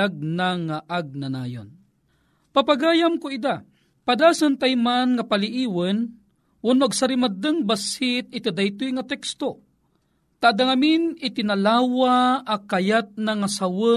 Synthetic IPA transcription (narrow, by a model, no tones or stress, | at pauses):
aɡ̚naŋaʔaɡ̚nana̰ːjo̰n | papaɡaːjamkoid̪a | pad̪aːsɨnt̪ajmanŋɐpaliʔiːwən | ʔʊnoʔaɡsɐɾimad̪ɨŋbasɪt̪̚ɪt̪id̪ajt̪ujŋat̪ɛkst̪o | t̪aʔːd̪aŋaminɪt̪ɪnalaːwaakajat̪̚naŋasawə